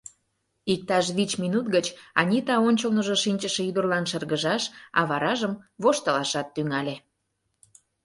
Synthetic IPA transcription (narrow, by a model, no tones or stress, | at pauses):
ik̚t̪ɑʃβit͡ɕminut̪̚ɡət͡ɕɑ̰nʲit̪ɑonʲt͡ɕəlnoʒoʃinʲt͡ɕəʃĕyd̪ərlɑnʃərɣəʒɑʃɑ̰βɑɾɑʒəmβoʃt̪əlɑʃɑt̪ːyŋɑlʲe